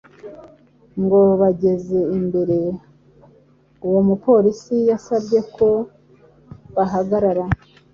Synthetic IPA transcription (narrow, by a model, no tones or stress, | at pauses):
ŋɡo̞βaɟe̞ze̞imbe̞ɾe̞ | uwomupo̞ːɾisijasabɟe̞kʰo̞ | βaɦaɡaɾaɾa